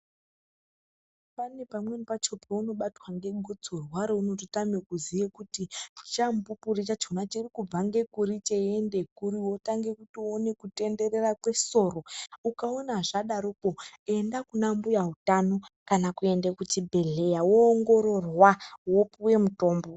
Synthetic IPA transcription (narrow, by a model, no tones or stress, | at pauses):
pane̞pamwenipat͡ʃo̞pʰeuno̞ɓatwaŋɡe̞ɡʱod͡zorwaɾouno̞totamekuzijekutit͡ʃambupurit͡ʃat͡ʃonat͡ʃirikub͡vaŋɡe̞kuɾit͡ʃe̞endekuɾiwotaŋɡe̞kutone̞kute̞nde̞re̞rakwe̞so̞ːɾo̞ukaonaʐaɗaɾopoe̞ndakunambujaɦutanokanakue̞ndekutibʱe̞ɮe̞jawoːŋɡo̞ɾo̞rwawopuwe̞muto̞ːmbo